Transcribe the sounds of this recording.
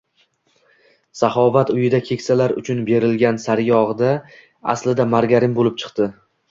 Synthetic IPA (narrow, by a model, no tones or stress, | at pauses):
saχɒvat̪ʊjɪd̪akʲʰe̞kʲsalaɾʊ̰t͡ʃʰʊnbe̞ɾɪlɡʲansaɾjɒʁɨd̪a | a̰slɪd̪amaɾɡʲaɾɪmbolɪp̚t͡ʃʰɨ̥qt̪ɪ